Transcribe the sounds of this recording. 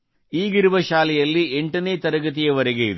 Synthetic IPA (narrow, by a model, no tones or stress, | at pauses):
iːɡiɾuʋɐʃaːlɛjɐlːieɳʈɐneːt̪ɐɾɐɡɐt̪̬ijɐʋɐɾɐɡejiðu